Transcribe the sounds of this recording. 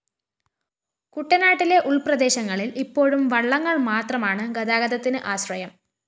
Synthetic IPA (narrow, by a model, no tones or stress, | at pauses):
kuʈːɐnaːʈːile̞ʔuɭprɐd̪e̞ːɕɐŋːɐɭilipːo̞ːɻumʋɐɭːɐŋːɐɭmaːt̪rɐmaːɳɨɡɐd̪aːɡɐðɐt̪ːinɨʔaːɕrɐjɐm